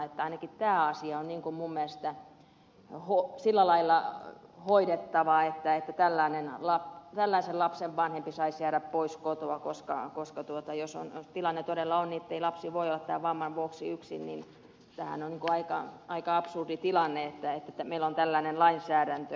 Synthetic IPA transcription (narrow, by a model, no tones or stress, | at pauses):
et̪ːæɑinɑkit̪t̪æːɑsiɑonniŋkummumːĭæst̪æ | hosilːælɑilːɑhoidet̪ːɑʋɑet̪ːæet̪ːæt̪ælːæinenlɑpt̪ælːæisellɑpseʋʋɑnhempisɑisjæːɾæppoiskot̪oɑkoskɑ̰koskɑt̪uot̪ɑjoso̰njost̪ilɑnːet̪odelːɑonniet̪ːeilɑpsiːʋoiolːɑt̪t̪æːʋɑmːɑnʋuoksiyksḭnnin | t̪æhæ̰nonniŋkuɑikɑɑikɑɑpsurdit̪ilɑnːeet̪ːæet̪ːæt̪æmeilːont̪ælːæinenlɑinsæːɾænt̪ø